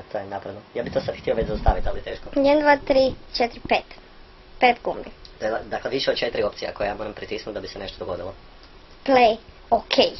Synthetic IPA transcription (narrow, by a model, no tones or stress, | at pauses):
t̪ʰojenapɾadnojaːbit̪oːsad̪xt̪ioʋet͡ɕzast̪aʋit̪alit̪eːʃkojɛd̪nd̪ʋat̪ɾiːt͡ʃet̪ɾpet̪ | pet̪ɡumbit̪oelad̪akleʋiʃeod̪̚t͡ʃe̞t̪ɾio̞p̪sija̰kojejaːmoɾampɾit̪isnut̪d̪abiseneʃt̪od̪oɡo̞d̪ilo | plej | okʰej